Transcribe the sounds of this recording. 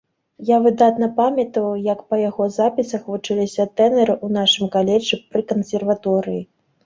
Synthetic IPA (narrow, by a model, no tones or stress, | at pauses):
javɨd̪at̪nɐpamʲɐt̪ɐwjɐkpɐjaɣɔzapʲisɐxvut͡ʂɨlʲisʲɐt̪ɛnɛɾɨʔunaʂɨmkalʲɛt͡ʂːɨpɾɨkɐnsʲɛrvat̪ɔɾɨji